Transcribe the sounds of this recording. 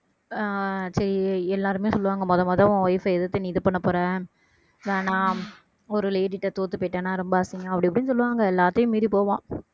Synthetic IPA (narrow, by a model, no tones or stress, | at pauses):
sɐɾiɛlːaːɾɯmeːsɔlːɯʋaːŋɡɐmɔðɐmɐːðãʋãːʋɐjɪfɐɛðɯt̪ːɯniːðɯpɐɳːɐpːɔːɾɛ̃ː | ðaːnãː | ɔɾɯleːʈɪʈːɐt̪oːt̪ːɯpɐːʈːãːnãːɾɛmbɐːsɪŋɡɐ̃ɐpːɐɽɪɐpːɽɪnɯsɔlːɯʋaːŋɡɐɛlːaːt̪ːɐjʊ̃miːðipoːʋãː